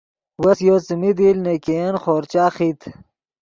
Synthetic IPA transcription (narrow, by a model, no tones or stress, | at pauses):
wɐsjoːt͡simid̪iːlnekejenχoːɾt͡ɕaːχit̪ʰ